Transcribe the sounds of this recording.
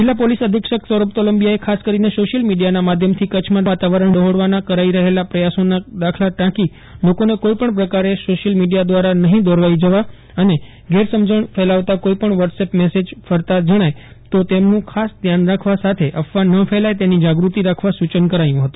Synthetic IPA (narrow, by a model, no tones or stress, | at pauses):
d͡ʒɪlːapolisəd̪ʱikʂəksəɾup̚t̪oləmbijaekʰaskəɾinesoʃəlmiɖijanamad̪ʱjəmt̪ʰikət͡ʃʰmãʋat̪aʋəɾəɳd̪əɦoɽʋanakəɾaiɾəɦelapɾəjasonad̪akʰlaʈãki | lokonekoipəɳpɾəkaɾesoʃəlmiɖijad̪ʋaɾanəɦĩd̪ɔɾʋaid͡ʒəʋa | əne | ɡʱeɾsəmd͡ʒəɳfɛlaʋt̪akoipəɳʋəɾʈsepmesed͡ʒfəɾt̪ad͡ʒəɽ̃ajt̪ot̪emnũkʰasd̪ʱjanɾakʰʋasat̪ʰeʔəfʋanəfʰɛlajt̪enid͡ʒaɡɾut̪iɾakʰʋasut͡ʃənkəɾajũɦət̪ũ